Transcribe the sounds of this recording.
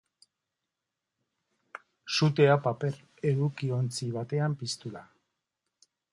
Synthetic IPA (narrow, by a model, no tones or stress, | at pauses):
sut̪e̞apape̞ɾ | e̞ðukio̞nt͡siβ̞at̪e̞ampist̪ula